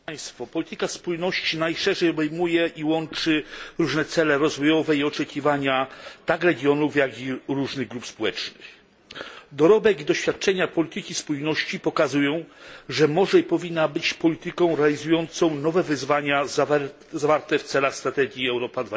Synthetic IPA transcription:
j̃st̪fɔpɔlʲit̪ɘkaspujnɔɕt͡ɕinajʂɛʐɛjɔbɛjmujɛʔiwɔnt͡ʂɘɾuʐnɛt̪sɛlɛɾɔzvɔjɔvɛiɔt͡ʂɛkʲivaɲat̪akɾɛɡʲjɔnufjaɡiɾuʐnɘɣɡɾupspɔwɛt͡ʂnɘx | d̪ɔɾɔbɛɡid̪ɔɕfʲjat̪̚t͡ʂɛɲapɔlʲit̪ɘkʲispujnɔɕt͡ɕipɔkazujɔ̃w̃ʐɛmɔʐɛipɔvʲinːabɘt͡ɕpɔlʲit̪ɘkɔ̃w̃ɾɛalʲizujɔnt̪sɔ̃w̃nɔvɛvɘzvaɲa | zavaɾt̪ɛft̪sɛlaxst̪ɾat̪ɛɡʲjiɛwɾɔpad̪va

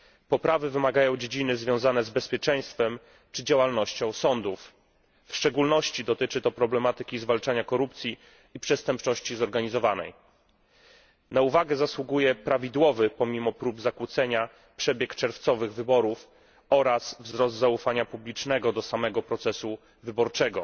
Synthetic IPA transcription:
pɔpɾavɘvɘmaɡajɔ̃w̃d͡ʑed͡ʑinɘzvʲjɔ̃w̃zanɛzbɛspʲjɛt͡ʂɛj̃st̪fɛm | t͡ʂɘd͡ʑawalnɔɕt͡ɕɔ̃w̃sɔnd̪ufː | ʂt͡ʂɛɡulnɔɕt͡ɕid̪ɔt̪ɘt͡ʂɘt̪ɔpɾɔblɛmat̪ɘkʲizvalt͡ʂaɲakɔɾup̚t̪sʲiː | pʂɛst̪ɛmpt͡ʂɔɕt͡ɕizɔɾɡaɲizɔvanɛ̰j | nauvaɡɛzaswuɡujɛpɾavʲid̪wɔvɘpɔmʲimɔpɾubzakwut̪sɛɲa | pʂɛbʲjɛkt͡ʂɛɾft̪sɔvɘɣvɘbɔɾuf | ɔɾasvzɾɔzd̪zaufaɲapublʲit͡ʂnɛɡɔd̪ɔsamɛɡɔpɾɔt̪sɛsu | vɘbɔɾt͡ʂɛɡɔ

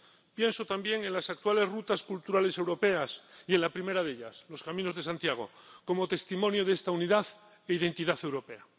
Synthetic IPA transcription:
pje̞nso̞t̪ambje̞ŋẽnlasak̚t̪wale̞zrut̪askult̪uɾale̞se̞wɾo̞pe̞asie̞nlapɾime̞ɾaðe̞ʎaslo̞skamĩnozðesant̪jaɣ̞o̞̰ko̞mo̞t̪e̞st̪imonjoð̞est̪auniðaθ | eiðe̞nt̪iðaθe̞wɾo̞pe̞a

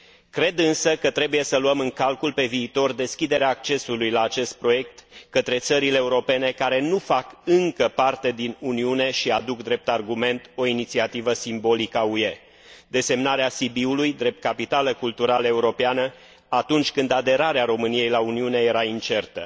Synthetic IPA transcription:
kɾe̞d̪ɨnsəkət̪ɾe̞buje̞səluəmɨŋkalkulpe̞viːt̪o̞rd̪e̞skʲid̪e̞ɾeaːk̚t͡ʃe̞sulujlaːt͡ʃe̞st̪̚pɾo̞je̞k̚t̪kət̪ɾe̞t̪səɾile̞ːuɾo̞pe̞ne̞kaɾe̞nufakɨŋkəpart̪e̞d̪inuniune̞ʃiad̪ukd̪ɾe̞p̚t̪arɡume̞nt̪o̞init̪siat̪ivəsimbo̞likaue̞ | d̪e̞se̞mnaɾeasibiulujd̪ɾe̞p̚t̪̚kapit̪aləkult̪uɾaləe̞uɾo̞peanə | at̪unt͡ʃʲkɨnd̪ad̪e̞ɾaɾeaɾo̞mɨnije̞jlauniune̞je̞ɾaint͡ʃe̞rt̪ə̰

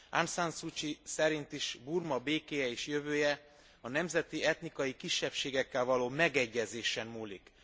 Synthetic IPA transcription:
ansansut͡ʃisɛɾint̪iʃburmɒbeːkeːjɛeːʃjøvøːjɛ | ɒnɛmzɛt̪iɛt̪nikɒjikiʃːɛpʃeːɡɛkːɛlvɒloːmɛɡɛɟːɛzeːʃɛmːuːlḭk

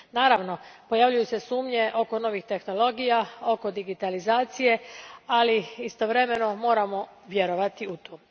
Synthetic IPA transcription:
naːɾaʋno̞po̞jaʋʎujuse̞suːmɲe̞ʔo̞ko̞no̞ʋixt̪e̞xno̞lo̞ɡijao̞ko̞d̪iɡit̪alizaːt̪sije̞aliist̪o̞ʋɾe̞me̞no̞mo̞ːɾamo̞ | ʋje̞ɾo̞ʋat̪iut̪oː

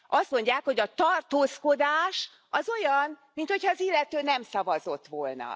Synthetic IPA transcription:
ʔɒst̪mo̞ɲɟːaːkho̞ɟɒt̪ɒrt̪oːsko̞d̪aːʃ | ɒzo̞jɒnmint̪ho̞cʰhɒːzilːɛt̪øːnɛmsɒvɒzo̞t̪ʋo̞lnɒ̰

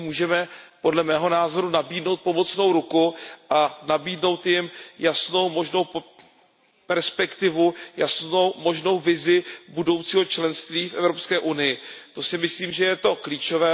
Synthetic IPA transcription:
muːʒɛmɛpo̞dlɛmɛːɦo̞naːzo̞ɾunabiːdno̞wt̪̚po̞mo̞t͡sno̞wɾukuʔanabiːdno̞wt̪jɪmjasno̞wmo̞ʒno̞w | pɛɾspɛkt̪ɪvujasnowmo̞ʒno̞wvɪzɪbudo̞wt͡siːɦo̞t͡ʃlɛnst̪viːfʔɛvɾo̞pskɛːʔunɪjɪt̪o̞sɪmɪsliːmʒɛjɛt̪o̞kliːt͡ʃo̞vɛː

